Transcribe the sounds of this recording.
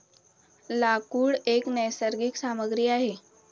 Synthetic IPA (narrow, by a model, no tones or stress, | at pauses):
lakuːɽeknəjsəɾɡiksaməɡɾiːaɦe